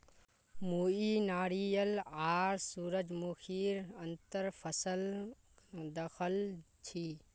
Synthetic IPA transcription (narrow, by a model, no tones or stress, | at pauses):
muinaːɾijəlaːɾsuɾəd͡ʒmukʰiɾənt̪əɾpʰəsəl | d̪əkʰəl | t͡ʃʰi